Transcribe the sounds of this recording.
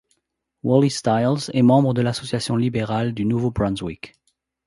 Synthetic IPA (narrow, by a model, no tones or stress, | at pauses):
wɔlist̪ajlzɛmɑ̃bʁəd̪əlasɔsjasjɔ̃libeʁald̪ynuvobʁɑ̃nzwik